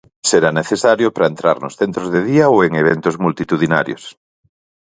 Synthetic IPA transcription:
seɾaneθesaɾjopɾaent̪ɾa̰ɾnosθent̪ɾozðeðiaoeŋeβ̞ent̪ozmult̪it̪uðinaɾjo̰s

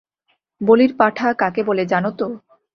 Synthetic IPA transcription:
boliɾpaʈʰakakeboled͡ʑanot̪o

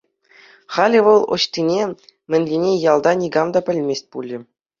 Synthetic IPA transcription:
χɑlʲiʋɤ̆lˠŏ̰ɕt̪ʲinʲemʲɘ̆nʲlʲinʲejɑlˠd̪ɑnʲiɡɑmd̪ɑpʲɘ̆lʲmʲesʲt̚ʲpulʲɘ̆

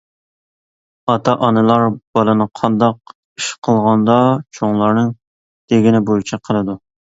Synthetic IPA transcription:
ɑt̪ʰɑʔɑnɨlˠɑɾb̥ɑlˠɨnɨqʰɑnd̪ɑq | iʃqʰəlˠʁɑnd̪ɑt͡ʃʰoŋlˠɑɾnɨŋ | t̪ʰeɡʲɪnɪbojit͡ʃʰɛqʰəlˠɨd̪u

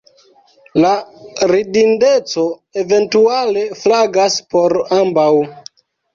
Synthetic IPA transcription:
laɾidinde̞t͡so̞eve̞ntuale̞flaɡaspo̞ɾambaw

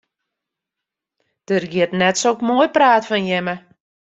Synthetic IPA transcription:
d̥ərɡɪətnɛtsokmoːjpraːtfɔnjɛmə

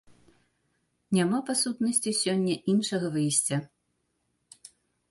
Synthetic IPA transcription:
nʲamapasut̪nɐsʲt͡sʲisʲɔnʲːɐʔinʂɐɣɐvɨjsʲt͡sʲɐ

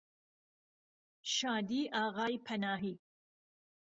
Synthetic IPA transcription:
ʃɑːd̪iːʔɑːɣɑːjpʰɐnɑːɦi

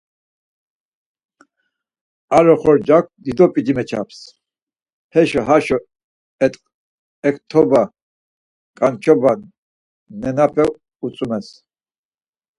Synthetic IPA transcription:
aɾɔχɔɾd͡ʒak̚ʷʰd̪id̪ɔpʼid͡ʒimɛt͡ʃʰa̰pʰs | hɛʃɔɦaʃɔ | ɛt̪ʼqʼ | ɛkʰt̪ʰɔba | kʼant͡ʃʰɔban | nɛnapʰɛ | ut͡sʼumɛs

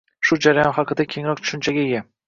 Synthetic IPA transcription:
ʃʊd͡ʒaɾajɒnχɑqɨd̪akʲʰe̞ŋɾɒk̚ʲt͡ʃʰʊ̥ʃɪnt͡ʃʰaɡʲaeɡʲa

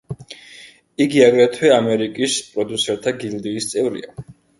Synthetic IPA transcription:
iɡiaɡɾat̪ʰwɛamɛɾikʼispʼɾɔd̪usɛɾt̪ʰaɡild̪iːst̪sʼɛvɾḭa

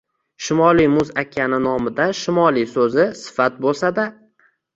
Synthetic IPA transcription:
ʃɪmɒlˠijmʊzakʲʰːanɪnɒmɪd̪aʃɪmɒlˠisɵzɪsɪ̥fat̪̚bolˠsad̪a

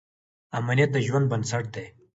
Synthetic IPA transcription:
amanijat̪̚d̪əʒwand̪̚bɐnsɐʈ̚d̪e

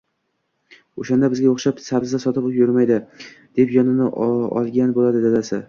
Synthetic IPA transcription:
oʃand̪abɪzɡʲaoχʃapsabzd̪asɒt̪ʰɪpkjʊɾmajd̪ɪ | d̪̥e̞pjɒnɪnɪɒ̰lˠɡʲanbolad̪ɪd̪ad̪asɪ

